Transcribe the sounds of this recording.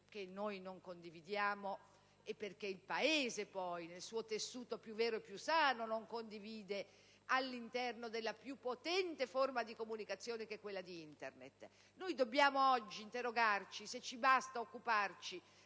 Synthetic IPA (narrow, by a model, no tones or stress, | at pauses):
k̟enːojnoŋkond̪ivid̪jaːmo | epːerkeilpaeːzepɔjnelsuːot̪esːuːt̪opjuvːɛːɾoepːjusaːnonoŋkond̪iviːd̪e | alːint̪ɛrnod̪elːapjupːot̪ɛnt̪eformad̪ikomunikat̪sːjoːnek̟ekːwelːad̪iint̪ḛrnḛt̪ | nojd̪obːjaːmoɔd͡ʒːiːnt̪eroɡart͡ʃiset͡ʃːibast̪aokːupart͡ʃi